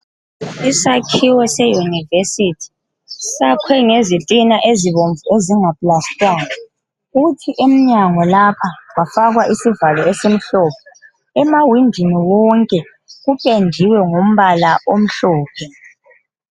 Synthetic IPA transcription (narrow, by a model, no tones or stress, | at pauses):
isakʰiwɛsɛjunivesitʰi̥ | sakʰwɛŋezitʼinaʔeziβoɱvueziŋapʼlastʼaːŋa | uutʰiʔem̩ɲaŋɔlapʰawafaɣwaʔisivalɔɛsem̩ɬɔːp̚ʰɔ | ɛmawindʱiniwɔŋkʼɛ | ɣupʼendʱiwɛŋum̩βalaʔom̩ɬɔːpʰɛ